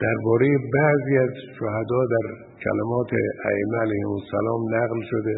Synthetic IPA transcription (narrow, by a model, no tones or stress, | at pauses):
d̪̥æɾbɒːɾejebæʔziːæzʃohæd̪ɒːd̪æɾ | cʰæ̰lemɒːt̪ʰḛæ̰ʔemːeælæjhemosːæ̰lɒːmnæɣlʃod̪e